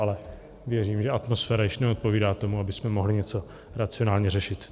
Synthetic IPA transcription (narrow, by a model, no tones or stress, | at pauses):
alɛ | vjɛɾiːmʒɛat̪mo̞sfɛːɾajɪʃnɛo̞t̪̚po̞viːdaːt̪o̞muabɪsmɛmo̞ɦlɪɲɛt͡so̞ | ɾat͡sɪonaːlɲɛrɛʃɪt̪